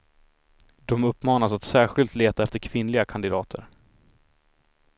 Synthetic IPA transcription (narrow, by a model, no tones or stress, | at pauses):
d̪̥ɔmɵpːmɑːnasat̪sæːɾɧɪlt̪leːt̪aɛft̪əɾkʰvɪnlɪɡakʰand̪ɪd̪ɑːt̪ʰə̰ɾ